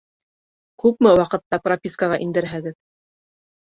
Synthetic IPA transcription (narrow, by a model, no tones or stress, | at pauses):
kʉpmɘwɑqɤ̆t̪ːɑpropʲiskəʁɑʔind̪ɘ̆ɾɦæɡɘð